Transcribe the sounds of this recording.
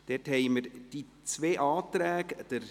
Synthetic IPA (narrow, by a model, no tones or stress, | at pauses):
d̥̪ɛthɛjməɾd̥i | t͡sʋeːʔɑːt̪ɾæːɡd̥̪əɾ